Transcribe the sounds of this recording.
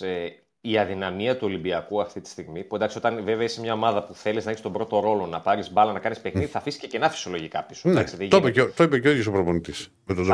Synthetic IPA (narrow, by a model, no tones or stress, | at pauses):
e | iɐðinɐmiɐt̪uo̞libiɐkuɐft̪it̪i̥st̪iɣmipuenɐkiot̪ɐnveveɐisemɲɐo̞mɐðɐpuθe̞liznɐeçst̪o̞bɾo̞t̪o̞ɾo̞lo̞nɐpɐɾizbɐlɐnɐkɐnispexniðiθɐfisi̥cece̞nɐfi̥siolo̞ʝikɐ̰pisond̪ɐksiðeʝopet̪oipeceojosopɾoponit̪is | met̪od̪